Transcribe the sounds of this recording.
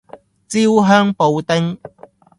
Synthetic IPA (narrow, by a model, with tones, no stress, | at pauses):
t͡si˦˥wɦœː˥ŋpo˨˧wt̪ɪ˥ŋ